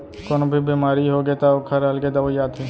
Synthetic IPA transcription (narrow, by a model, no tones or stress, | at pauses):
koːnbʱibiːmaːɾiɦoɡet̪aokʰaɾəlɡed̪aʋojaːd̪ɦeː